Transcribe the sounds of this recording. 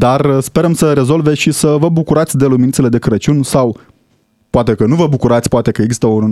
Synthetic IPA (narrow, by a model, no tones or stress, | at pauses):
d̪arspe̞ɾəmsəɾe̞zo̞lveʃisəvəbukuɾat̪sʲd̪e̞lumʲinit̪sele̞d̪e̞kɨɾət͡ʃunsaw | poat̪e̞kənuvəbukuɾat̪sʲpoat̪e̞kəe̞ɡzist̪əun